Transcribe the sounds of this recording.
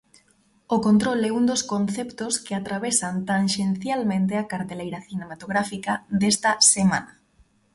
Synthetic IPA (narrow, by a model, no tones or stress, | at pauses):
ʊkont̪ɾolɛund̪oskonθɛpt̪oskɪat̪ɾaβ̞esant̪aŋʃenθjalmẽnt̪eakaɾt̪elejɾaθinemat̪oɣɾafikad̪est̪asemã̰na